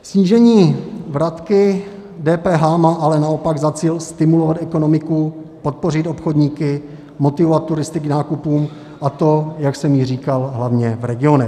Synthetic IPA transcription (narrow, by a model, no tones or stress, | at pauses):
sɲiːʒɛɲiːvɾat̪kɪ | dɛːpɛːɦaːmaːʔalɛnao̞paɡzat͡siːlst̪ɪmulovat̪ɛko̞no̞mɪkupo̞t̪̚po̞rɪt̪o̞pxodɲiːkɪ | mo̞t̪ɪvovat̪̚ːuɾɪst̪ɪknaːkupuːm | ʔat̪o̞jaksɛmjɪriːkalɦlavɲɛvɾɛɡɪo̞nɛ